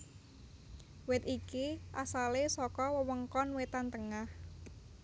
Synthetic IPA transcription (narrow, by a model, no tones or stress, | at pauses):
wɪt̪ikiʔasalesɔkɔwəwəŋkɔnwet̪ant̪əŋah